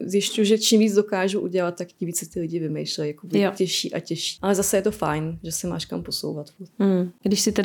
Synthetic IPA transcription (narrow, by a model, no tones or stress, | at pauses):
zjɪscujuʒɛt͡ʃimviːd͡zdo̞kaːʒuʔuɟɛlat̪̚t̪ːakcɪmviːt͡ssɪt̪ɪlɪɟɪvɪmɛjʃlɛjakovjcɛʃiːʔa̰cɛʃi̥ːʔalɛzasɛjɛt̪o̞fajnʒɛsɪma̰ːʃkamposo̰wvat̪fuɾt̪̩ɡdɪʃsɪt̪ɛ